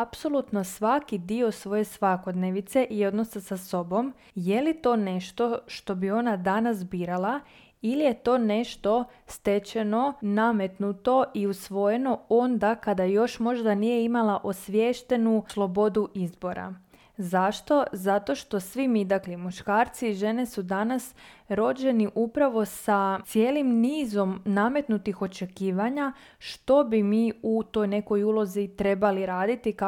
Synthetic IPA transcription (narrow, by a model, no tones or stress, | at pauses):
apso̞lˠut̪no̞sʋakid̪io̞sʋo̞je̞sʋako̞d̪neʋit̪se̞ʔio̞d̪no̞sasaso̞bo̞m | je̞lit̪o̞ːne̞ʃt̪o̞ʃt̪o̞bio̞nad̪anasbiːɾalˠa | ilije̞t̪o̞ːne̞ʃt̪o̞ | st̪e̞t͡ɕe̞no̞namet̪nut̪o̞iusʋo̞je̞no̞o̞nd̪akad̪ajo̞ʃmo̞ʒd̪anije̞imalaʔo̞sʋjeʃt̪e̞nuslˠo̞bo̞d̪uʔizbo̞ɾa̰ | zaʃt̪o̞zat̪o̞ʃt̪o̞sʋimid̪aklimuʃkaːɾt̪siːʒe̞ne̞sud̪anasɾo̞d͡ʑe̞niʔupɾaʋo̞sat̪je̞ːlimniːzo̞mname̞t̪nut̪ixo̞t͡ʃe̞kiːʋaɲa | ʃt̪o̞bimiːut̪o̞jne̞ko̞julˠo̞zit̪ɾe̞baliɾaːd̪it̪ik